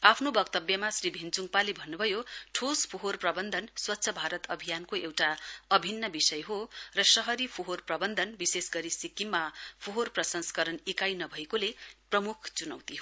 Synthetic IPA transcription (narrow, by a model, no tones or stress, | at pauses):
apʰnobʌkt̪ʌbjʌmasribʱint͡suŋpalibʱʌnːubʱʌjoʈʰospʰoɦorprʌbʌnd̪ʱʌnswʌtːsʰʌbʱaɾʌt̪ʌbʱijankoewʈaʌbʱinːʌbisʌjɦorʌsʌɦʌɾipʰoɦorprʌbʌnd̪ʱʌnbisesɡʌɾisikimːapʰoɦorprʌsʌnskʌɾʌnikajnʌbʱʌekoleprʌmukʰt͡sunʌwt̪iɦo